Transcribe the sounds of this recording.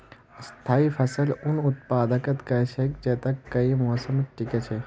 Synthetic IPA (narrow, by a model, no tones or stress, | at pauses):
st̪ʰaːipʰɐsəlʊnʊt̪̚paːd̪ɐkɐt̪kɐsekd͡ʒeːt̪ɐkːɐimoːsɐmʈiket͡ʃʰe